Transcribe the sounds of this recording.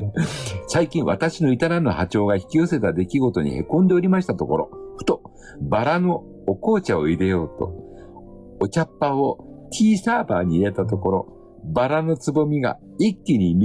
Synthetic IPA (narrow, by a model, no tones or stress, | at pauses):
saikʲĩɰ̃βat̪aɕinoit̪aɾanːohat͡ɕo̞ːɡaçi̥kʲio̞se̞t̪ad̪e̞kʲiɡo̞t̪o̞ɲ̟ḭhe̞kõ̞nd̪e̞oɾʲimaɕi̥t̪at̪o̞ko̞ɾo̞̰ɸɯ̟t̪o̞ | baɾano̞ː | ko̞ːt͡ɕao̞id̪e̞jo̞ːt̪o̞̰ | ot͡ɕapːaot̪ʲʰiːsaːbaːɲ̟iːɾe̞t̪at̪o̞ko̞ɾo̞ | baɾano̞t͡sɨbo̞mʲiɡa̰ | ikʲːiɲ̟imʲ